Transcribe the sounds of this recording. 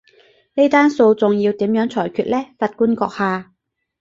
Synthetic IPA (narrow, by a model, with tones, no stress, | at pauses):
ne˥t̪aː˥nso˧wt͡sʊ˨ŋjiː˧wt̪iː˨˥mjœː˨˥ŋt͡sʰɔː˨˩jkʰyː˧t̚lɛː˥fɐ˧t̚kuː˥nkɔː˧k̚haː˨˧